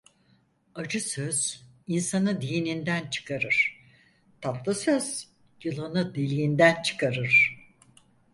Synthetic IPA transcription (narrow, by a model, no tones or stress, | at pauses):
ad͡ʒɯsøz̥ | insanɯd̪ijinind̪ænt͡ʃʰɯ̥kʰaɾɯɾ̥ | t̪ʰaplˠɯsøz̥ | jɯlˠanɯd̪elʲijind̪ænt͡ʃʰɯ̥kʰaɾɯɾ̥